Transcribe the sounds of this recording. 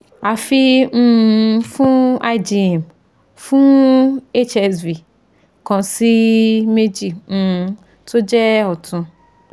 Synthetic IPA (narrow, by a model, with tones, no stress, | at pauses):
a˨fi˧m̩̃˦˨˧fũ˦a˧jd͡ʒi˨ɛ˨m | fũ˦e˦t͡ʃɛ˧svi˨ | kɔ̃˨si˦me˦d͡ʒĩ˨ | to˦d͡ʒɛ˦ɔ˨tũ˧